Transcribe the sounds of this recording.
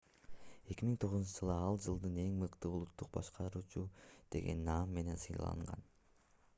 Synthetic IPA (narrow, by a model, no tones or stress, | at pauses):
e̞kʲimiŋt̪ʰo̞ʁuznt͡ʃɯʒɯlˠɯɑlˠd͡ʒɯlˠd̪ɯne̞ŋmɯqt̪ɯulˠut̪ːuq̚bɑʃqʰɑɾuːt͡ʃud̪̥e̞̰ɡe̞̰nːɑmːe̞ne̞nsɯjlˠɑ̰ɯ̰ɴʁɑ̰n